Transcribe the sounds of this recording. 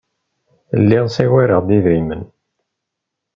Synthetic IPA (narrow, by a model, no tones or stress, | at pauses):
lːiʁsiɣæɾəʁd̪iðɾimən